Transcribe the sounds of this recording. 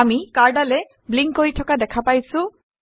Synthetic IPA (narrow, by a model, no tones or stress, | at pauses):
amikaɹdalɛ | bliŋkːoɹitʰɔkadɛkʰapajsʊ̃